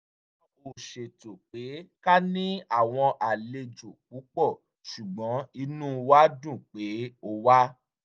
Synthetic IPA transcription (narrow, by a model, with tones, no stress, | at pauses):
o˨ʃe˨to˨k͡pe˨˦ka˦nĩ˦a˦˨w̃ɔ̃˧ʔa˨le˧d͡ʒu˨k̚u˨˦k͡pɔ˦˨ | ʃu˨ɡ͡bɔ̃˨˦i˧nũ˦wa˦dũ˦˨k͡pe˨˦o˧wa˦